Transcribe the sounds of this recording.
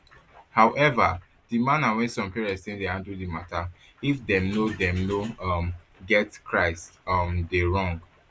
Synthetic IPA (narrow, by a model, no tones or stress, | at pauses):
hawʔɛva | dimãnawɛ̃nsɔ̃mpiɹɛ̃stĩŋdehãndudimata | ifdɛ̃mnodɛ̃mnom | ɡɛtkɹaɪstʌmdeɹɔ̃ŋɡ